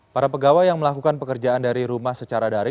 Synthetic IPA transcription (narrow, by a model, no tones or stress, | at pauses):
paɾapəɡawajaŋməlakukanpəkərd͡ʒaandaɾiɾumahsət͡ʃaɾadaɾi